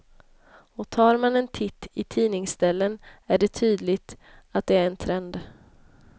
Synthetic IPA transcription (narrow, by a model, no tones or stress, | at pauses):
ɔt̪ʰɑːɾmanɛnt̪ʰɪt̪ːɪt̪ʰiːnɪŋsd̪ɛlːənæɖɛt̪ʰyːd̪lɪɡt̪ | at̪̚d̪ɛæɾɛnt̪ʰɾɛnd̪